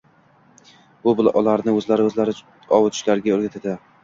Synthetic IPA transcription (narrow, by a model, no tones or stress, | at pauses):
bʊbɪlʔɒlaɾnɪɵzlaɾɪɵzlaɾɪ | ɒwɪt̪ʰʊ̥ʃlaɾɡʲaɵɾɡʲat̪ʰad̪ɪ